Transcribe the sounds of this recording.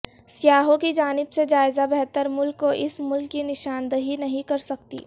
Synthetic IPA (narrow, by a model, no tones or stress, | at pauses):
sjaːɦõkid͡ʒaːnɪbsed͡ʒaːɪzabɛɦt̪əɾmʊlkːoʔɪsmʊlkːinɪʃaːnd̪əɦinɐɦĩkɐɾsɐkt̪ḭː